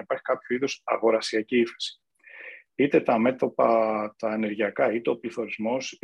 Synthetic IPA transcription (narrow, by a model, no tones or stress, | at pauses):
ipɐɾçi̥kɐpçoiðosɐɣo̞ɾɐsiɐciife̥si̥ | it̪e̞t̪ɐme̞t̪o̞pɐt̪ɐe̞ne̞ɾʝiɐkɐit̪e̞o̞pliθo̞ɾizmo̞s